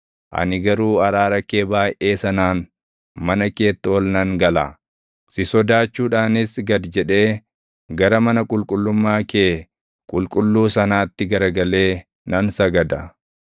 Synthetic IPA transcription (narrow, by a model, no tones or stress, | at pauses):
ʔɐ̰nɪɡɐɾuːɐɾaːɾɐkːe̞ːbaːjʔe̞ːsɐnaːn | mɐnɐke̞ːt̪ːɐɔlnɐŋɡɐla̰ | sɪsɔd̪aːt͡ʃːuːᶑaːnɪsɡɐd̪d͡ʒɛᶑe̞ː | ɡɐɾɐmɐnɐkʼʊlkʼʊlːʊmːaːkeː | kʼʊlkʼʊlːuːsɐnaːt̪ːɪɡɐɾɡɐle̞ː | nɐnsɐɡɐd̪ɐ